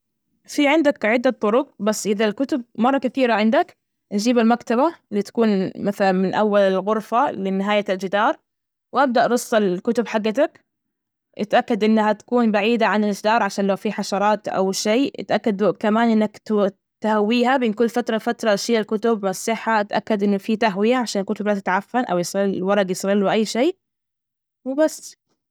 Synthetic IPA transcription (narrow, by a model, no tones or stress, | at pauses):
fiʕɪnd̪akʕɪd̪ːat̪ˤːʊɾʊq̚basːʔɪðalkʊt̪ʊb̚mɑrˤːɑkaθiːɾaʕɪnd̪ak | nd͡ʒiːbɪlmakt̪aβaɪlːit̪ḁkuːnmaθalanmɪnʔawːalɪlɣʊɾfalɪnɪɦaːjald͡ʒɪd̪ɑːɾˤ | wʔab̚d̪aʔɾʊsˤːɪlkʊt̪ʊbħaɡːat̪̬ak | ʔɪt̪ʔakːad̪ʔɪnːahat̪ḁkuːnbaʕiːd̪aʕanɪld͡ʒɪd̪ɑːɾˤʕaʃaːnlawfiħaʃɑɾˤɑːt̪ʔa̰wʃeːʔɪ̰t̪ʔakːad̪kamaːnʔɪnːakt̪ | t̪ahawːiːhabɪːnkʊlːfat̪ɾˤɑfat̪ɾˤɑʃiːalkʊt̪ʊbmasˤːɪħːaʔat̪ʔakːad̪ʔɪnːʊfit̪aɦwɪjaʕaʃaːnɪlkʊt̪ʊblat̪ɪt̪ʕafːanʔa̰wjɪsˤilwɑɾˤɑɡjɪsˤɾilːwʊʔajːʃeː | wɪbasː